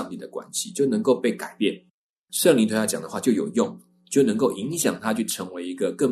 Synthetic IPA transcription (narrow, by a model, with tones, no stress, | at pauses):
ŋt̪i˥˩d̪ə˩kwa̰˦nɕi˨t͡ɕjo˥˩ʊnə˧˥ŋko˥˧ʊpe˥˩ɪka˨˩ɪpjɛ˥˨˩n | ʂə˥˨ŋli˧˥t̪wjt͡ɕjɑ˨˩ŋd̪ə˩xwa˥˧t͡ɕjo˥˩ʊjo˨˩ʊjʊ˥˩ŋ | t͡ɕjo˥˩ʊnə˧˥ŋko˥˩ʊʔi˧˦˥ŋɕjɑ˨˩ŋt̪ʰa˦t͡ɕʰy˥˩ʈ͡ʂʰɤ˧˥ŋwe˧˥ɪi˧˥ɡə˧kə˥˩